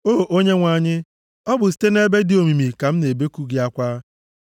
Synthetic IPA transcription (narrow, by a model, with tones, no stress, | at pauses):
oː˦ʔo˦ɲe˦ŋʷa˨ɲɪ˦ | ɔ˦bʊ˨s̬i̥˦te˦ne˦be˦dɪ˦o˨mi˨mi˨ka˨m̩˦ne˨be˦ku˦ɡɪ˦a˦kʷaː˦